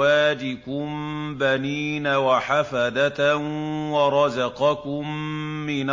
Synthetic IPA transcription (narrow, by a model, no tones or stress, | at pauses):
aːd͡ʒɪkʊmbaniːnawaħafad̪at̪wɑɾˤɑzɑqɑkʊmːɪn